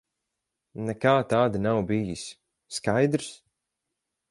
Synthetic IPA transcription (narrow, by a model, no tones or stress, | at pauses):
nɛkaːt̪aːd̪anawbijisː | kajd̪ɾs